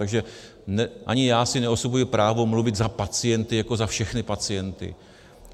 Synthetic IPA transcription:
t̪aɡʒɛ | nɛʔa̰ɲɪjaːsɪnɛo̞so̞bujɪpɾaːvo̞mluvɪd̪zapat͡sɪjɛnt̪ɪjako̞zafʃɛxnɪpat͡sɪjɛnt̪ɪ̰

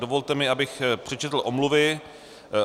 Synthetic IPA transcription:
dovolt̪ɛmɪabɪxpr̥ɛt͡ʃɛt̪l̩ʔo̞mluvɪ

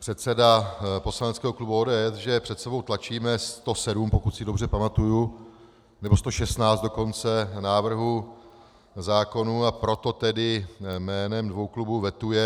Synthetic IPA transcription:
pr̥ɛt̪sɛdapo̞slanɛt͡skɛːɦoklubuoːdɛːɛsʒɛpr̝̥ɛt̪sɛbo̞wt̪lat͡ʃiːmɛst̪o̞sɛdumpo̞kut̪sɪdo̞br̝ɛpamat̪uju | nɛbo̞st̪o̞ʃɛst̪naːt͡sd̪do̞ko̞nt͡sɛnaːvr̩ɦu | zaːko̞nuapɾo̞t̪o̞t̪ɛdɪmɛːnɛmdvo̞wklubuvɛt̪ujɛ

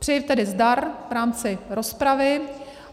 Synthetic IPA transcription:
pr̝̥ɛjift̪ɛdɪzdaɾvɾaːmt͡sɪɾo̞spɾavɪ

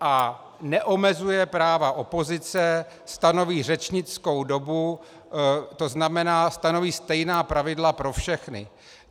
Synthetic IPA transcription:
ʔa | nɛʔo̞mɛzujɛpɾaːvaʔo̞po̞zɪt͡sɛ | st̪ano̞viːr̝ɛt͡ʃɲɪt͡sko̞wdo̞bu | t̪o̞znamɛnaːst̪ano̞viːst̪ɛjnaːpɾavɪdlapɾo̞fʃɛxnɪ̰

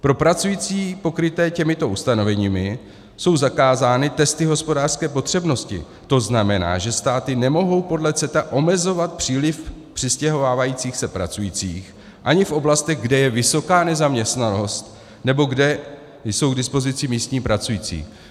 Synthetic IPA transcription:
pɾo̞pɾat͡sujit͡siːpo̞kɾɪt̪ɛːcɛmɪt̪o̞ʔust̪ano̞vɛɲiːmɪ | so̞wzakaːzaːnɪt̪ɛst̪ɪɦo̞spo̞daːr̥skɛːpo̞t̪r̝̥ɛbno̞scɪ̰ | t̪o̞znamɛna̰ːʒɛst̪aːt̪ɪnɛmo̞ɦo̞wpo̞dlɛt͡sɛt̪aʔo̞mɛzo̞vat̪̚pr̥iːlɪfpr̝̥ɪscɛɦo̞vaːvajiːt͡siːxsɛpɾa̰t͡sujiːt͡sḭːx | ʔaɲɪfʔo̞blast̪ɛɣɡdɛjɛvɪso̞kaːnɛzamɲɛst̪nano̞st̪ | nɛbo̞ɡdɛ | jso̞wɡdɪspo̞zɪt͡sɪmiːst̪ɲiːpɾat͡sujit͡sḭː

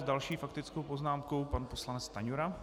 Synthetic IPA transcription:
zdalʃiːfakt̪ɪt͡skowpo̞znaːmkowpanposlanɛt͡st̪aɲuɾa

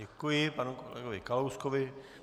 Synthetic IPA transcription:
ɛkujɪpanukolɛ̰ɡovɪkalowskoʋɪ

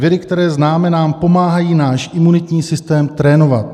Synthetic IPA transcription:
vjɛdɪkt̪ɛɾɛːznaːmɛnaːmpo̞maːɦajiːnaːʃʔɪmunɪt̪ɲiːsɪst̪ɛːmt̪ɾɛːno̞va̰t̪

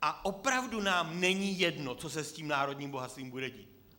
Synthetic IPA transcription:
ʔaʔopɾavdunaːmnɛɲiːjɛdno̞t͡sosɛsciːmnaːɾo̞dɲiːmboɦat̪st̪viːmbudɛɟḭːt̪̚

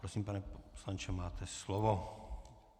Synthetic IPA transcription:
pɾɔsiːmpanɛpɔ̥slaɲt͡ʃɛmaːt̪ɛslɔʋɔ

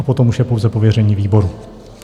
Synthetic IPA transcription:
apo̞t̪o̞muʃjɛpo̞wzɛpo̞vjɛrɛɲiːviːbo̞ɾu

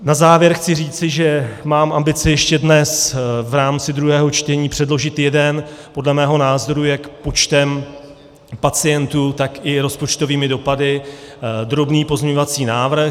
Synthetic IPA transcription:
nazaːvjɛɾxt͡sɪriːt͡sɪʒɛmaːmʔambɪt͡sɪjɛʃcɛdnɛsvɾaːmt͡sɪd̪ɾuɦɛːɦo̞t͡ʃt̪ɛɲiːpr̥ɛdlo̞ʒɪt̪jɛdɛnpo̞dlɛmɛːɦo̞naːzo̞ɾujɛkpo̞t͡ʃt̪ɛm | pat͡sɪjɛnt̪ut̪akɪɾo̞spo̞t͡ʃt̪o̞viːmɪdo̞padɪ | d̪ɾo̞bniːpo̞zɲɛɲo̞vat͡siːnaːvɾ̩x

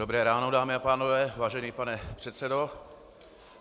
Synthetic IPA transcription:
obɾɛːɾaːnodaːmɪapaːnovɛːvaːʒɛɲiːpanɛpr̥ɛt̪sɛdo̞

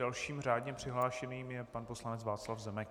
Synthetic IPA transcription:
alʃiːmr̝aːdɲɛpr̝̥ɪɦlaːʃɛniːmjɛpanposlanɛt͡svaːt͡slafzɛmɛk

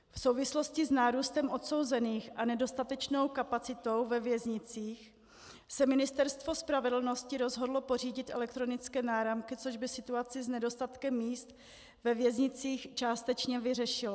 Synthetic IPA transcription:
fso̞wvɪslo̞scɪznaːɾuːst̪ɛmʔo̞t̪so̞wzɛniːxʔanɛdo̞st̪at̪ɛt͡ʃno̞wkapat͡sɪt̪o̞wvɛvjɛzɲɪt͡siːx | sɛmɪnɪst̪ɛɾst̪vo̞spɾavɛdl̩no̞scɪɾo̞zɦo̞dlopo̞r̝iːɟɪt̪ʔɛlɛk̚t̪ɾo̞nɪt͡skɛːnaːɾamkɪt͡so̞ʒbɪsɪt̪uat͡sɪznɛdo̞st̪at̪kɛmːiːst̪ | vɛvjɛzɲɪt͡siːxt͡ʃaːst̪ɛt͡ʃɲɛvɪrɛʃɪlo

